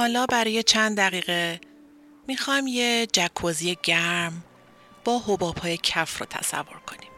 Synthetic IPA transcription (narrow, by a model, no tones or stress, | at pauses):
hɒːlɒːbæɾɒːje̞t͡ʃʰænd̪d̪æɣiːɣe | mixɒjmjed͡ʒækʰːoːzije̞ɟæɾm | b̥ɒːhobɒːb̥hɒːje̞cʰæfrʊ̰ːt̪ʰæ̰sæ̰vːo̞ɾkʰo̞nim